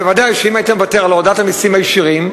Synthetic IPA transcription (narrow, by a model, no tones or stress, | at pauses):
evad̪ajʃeimajit̪amevateʁalodatamisimajeʃiʁim